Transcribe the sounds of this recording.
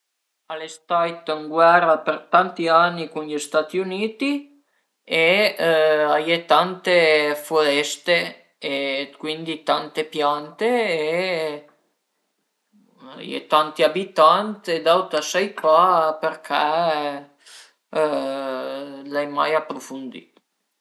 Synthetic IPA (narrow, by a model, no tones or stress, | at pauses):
alest̪ajt̪əŋɡwɛɾapeɾt̪ant̪ianːikunʎist̪at̪iuniːt̪i | e | ajɛt̪ant̪efolɛst̪e | ekwind̪it̪ant̪epjant̪eː | ajɛ̰t̪ant̪iabit̪ant̪ed̪awt̪asajpapɛɾkʰɛ | lajma̰japːɾufund̪ḭ